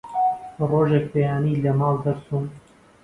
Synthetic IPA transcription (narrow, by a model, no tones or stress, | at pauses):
roːʒɛk̚pejaːniːlɛmɑːld̪ɛɾsuːm